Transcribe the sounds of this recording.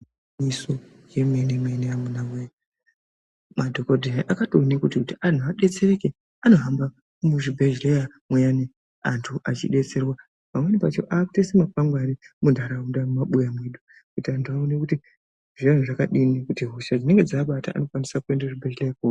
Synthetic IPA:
miso | jemenemeneamunamweja | madʱokodʱeniʔakatonekutikutiantʰuaɗe̞t͡se̞re̞ke | ano̞ɦamba | muʐibʱeʒleja | mwejane | antʰuʔat͡ʃḭɗe̞t͡se̞rwa | mamwenipat͡ʃo̞̰ʔaːku̥tesemapaŋɡwanimundʱaɾaundaumaɓujamweɗu | kutiantʰuaone̞kuti | ʐian̤uʐakaɗinikutiɦoʃad͡zine̞ŋɡe̞d͡zaːɓata̰ʔa̰no̞kwanisakue̞ndaʐibʱeʒlejakua

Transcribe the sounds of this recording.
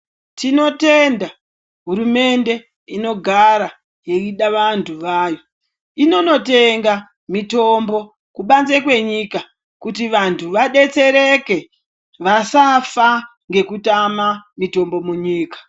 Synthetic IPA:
tino̞te̞nda | ɦuɾume̞nde̞ | ino̞ɡʱaɾa | je̞iɗaʋantʰuʋaːjo̞ | ino̞no̞te̞ŋɡa | mito̞mbo̞ | kuɓanzekwe̞ɲika | kutiʋantʰuʋaɗe̞t͡se̞ɾe̞ke̞ | ʋasafa | ŋɡe̞kutamamito̞mbo̞muɲiːkḁ

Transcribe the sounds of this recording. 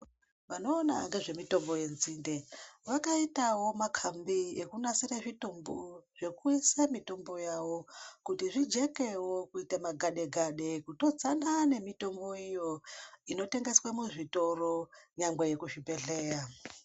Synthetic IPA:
ʋano̞ːna̰ŋɡe̞ʐe̞mito̞mboje̞nzinde̞ʋakaitawo̞makʰambiekunasiɾaʐitomboʐ̥e̞kuisamito̞mbo̞jawo̞kutiʐid͡ʒe̞ke̞wo̞kuitamaɡʱaɗe̞ɡʱaɗe̞kuto̞d͡zanane̞mito̞mbo̞ijo̞ino̞te̞ŋɡe̞swamuʐito̞ro̞ɲaŋɡwejekuʐipe̞ɮe̞ːra

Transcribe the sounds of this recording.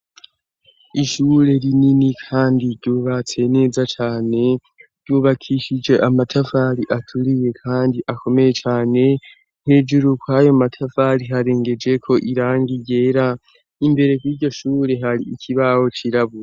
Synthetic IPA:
iʃuɾe̞ɾininikʰaːndiɾɟuːβat͡se̞ne̞ːzat͡ʃaːne̞ | ɾ̥ɟuːβakʰiʃid͡ʒe̞ʔamatʰafaɾiʔatʰuɾije̞kʰaːndiʔako̞me̞je̞t͡ʃaːne̞ | nhe̞d͡ʒuɾukwajo̞matʰafaɾiɦaɾe̞ːŋɡe̞d͡ʒe̞kʰo̞ʔiɾaːŋɡiɟe̞ːɾa | imbe̞ɾe̞kwiːɟo̞ʃuːɾe̞ɦaɾiːcʰiβawo̞t͡ʃiɾaβuɾe

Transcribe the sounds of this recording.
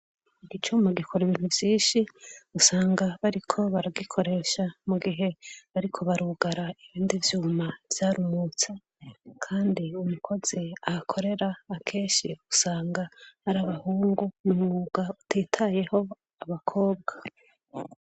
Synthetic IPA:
iɡit͡ʃumaɡikʰoɾeβinhuvjiːnʃiusaːŋɡaβaɾikʰo̞βaɾaɡikʰo̞ɾe̞ːʃamuɡiɦe̞βaɾikʰo̞βaɾuɡaɾaiβiːndivjumav̥jaːɾumut͡sa | kʰaːndiumukʰo̞z̥iaakʰo̞ɾe̞ɾaːkʰe̞ːʃiusaːŋɡahaɾaβahuːŋɡunumŋuːɡautʰeːtʰaje̞ho̞ | aβakʰo̞ːbɡa

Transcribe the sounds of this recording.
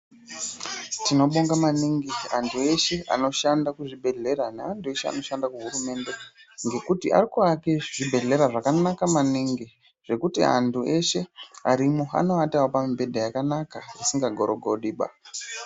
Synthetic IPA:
tino̞ɓoŋɡamaniŋɡiantʰue̞ʃe̞a̰no̞ʃandakuʐibʱe̞ɮe̞ɾane̞antue̞ʃea̰no̞ʃandakuɦuɾume̞nde̞ŋɡe̞kutiʔa̰rikuakeʐibʱe̞ɮe̞ɾaʐakanakamaniŋɡi | ʐ̥e̞kutḭa̰ntʰue̞ʃe̞a̰ɾimoa̰no̞atawopamibʱe̞dʱajakanakarisiŋɡaɡʱo̞ɾoɡʱoɗiːɓa̰

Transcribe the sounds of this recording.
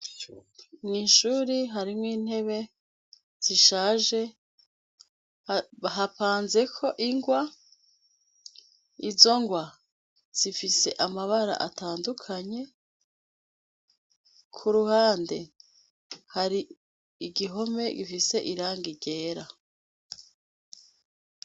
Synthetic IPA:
mŋiːnʃuːɾiɦaɾimŋiːn̥he̞βe̞ | z̥iʃaːʒe̞ | ɦapaːnze̞kʰo̞ʔiŋɡwa | izo̞ŋɡwa | z̥ifise̞ʔamaβaɾa̰ʔa̰taːndukʰaɲe̞ | kʰuɾuhaːnde | haɾi | iɡiɦo̞me̞ɡifise̞ʔiɾaːŋɡiɟe̞ːɾa

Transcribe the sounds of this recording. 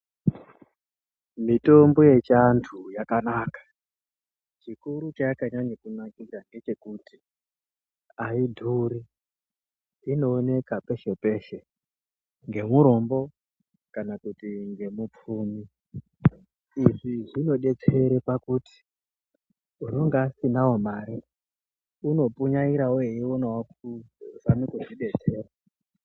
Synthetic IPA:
mito̞mbo̞je̞t͡ʃantʰujakanaːkḁ | t͡ʃikuɾut͡ʃaakaɲaɲekunakiɾaŋɡe̞t͡ʃe̞kuti̥ | aidʱuɾi | ino̞ːne̞kape̞ʃe̞pe̞ʃe̞ | ŋɡe̞muɾo̞mbo̞ | kanakutiŋɡe̞mup͡fuːmi | ʐiʐino̞ɗe̞t͡se̞ɾepakuti̥ | unoŋɡaːsinawomaːɾi | uno̞pʼuɲaiɾaujeiwonawakuʐamikuʐiɗe̞t͡se̞ːra

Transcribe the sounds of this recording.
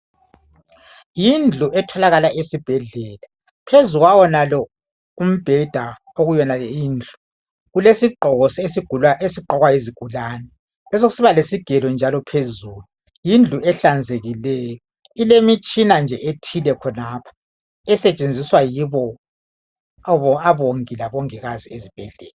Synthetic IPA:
jind͡ɮʱuʔɛtʰɔlaɣalaʔesib̥ʱɛɮɛːla | pʰezuɣwawɔnalɔ | um̩b̥ʱɛd̥ʱa | oɣujɛnaɛjiːnd͡ɮʱu | ɣulesiǃʱɔɣɔsesiɡ̥ʱuesiǃʱɔɣwaeziɡ̥ʱulaːnɛ | lɛs̬oɣusiβalesiɡ̥ʱɛlɔnd͡ʒʱalɔpʰezuːlu | jind͡ɮʱuɛɬand͡zʱeɣilɛjɔ | ilemit͡ʃʼinand͡ʒʱɛʔetʰilɛkʰɔnaːpʰḁ | ɛsɛt͡ʃʼend͡zʱiswajiβɔ | aβoŋilaβoŋiɣaziezib̥ʱɛɮɛ̰ːlɛ

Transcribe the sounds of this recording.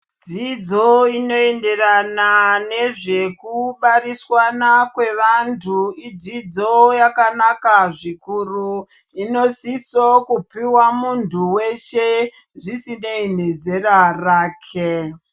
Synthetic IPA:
d͡zid͡zo̞ino̞e̞nde̞ranane̞ʐe̞kuɓaɾiswanakwe̞ʋantʰuid͡zid͡zo̞jakanakaʐikuru | ino̞sisokupiwamuntʰuweʃeʐisinein̤e̞ze̞raraːkʰe

